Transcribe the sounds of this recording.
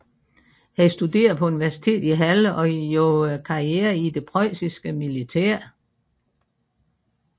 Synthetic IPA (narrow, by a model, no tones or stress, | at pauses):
hæsd̥ud̥e̝̰ːɐð̩ˠpʰɒ̽uniʋæɐsi̥t͡sʰe̝̰ːd̥iɦæləʔɒ̽jokʰɑ̈ieːɐid̥e̝pʰʁɒsisɡ̥əmilit͡sʰæɐ̰